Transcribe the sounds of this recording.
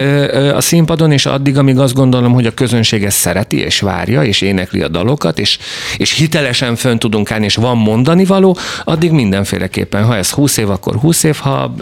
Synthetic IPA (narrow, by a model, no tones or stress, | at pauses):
øɒ̰simpɒd̪o̞neːʃɒ̰d̪ːiɡɒmiːɡɒzd̪ɡo̞nd̪o̞lo̞mɦo̞ɟɒkø̞zø̞nʃeːɡɛssɛɾɛt̪ḭḛːʃʋa̰ːrjɒeːʃeːnɛklḭɒ̰d̪ɒ̰lo̞kɒt̪eːʃ | eːʃhit̪ɛlɛʃɛɱfønt̪ud̪uŋkaːlnieːʃʋɒmːo̞nd̪ɒnivɒloːɒd̪ːiɡmind̪ɛɱfḛːlʔɛkḛːpːɛnɦɒɛshuːseːvɒkːo̰rɦuːseːfhɒ̰